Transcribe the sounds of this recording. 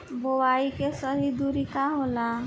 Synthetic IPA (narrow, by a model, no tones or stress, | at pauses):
bowaikesəɦid̪uɾikaɦola